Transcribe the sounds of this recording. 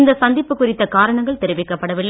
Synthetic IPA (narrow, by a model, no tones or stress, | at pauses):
nd̪ɐsɐnd̪ɪpːɯkʊrɪt̪ːɐkaːɾɐɳɐŋɡɐɭt̪ɛɾɯʋɪkːɐpːɐɽɐʋɪlːɐ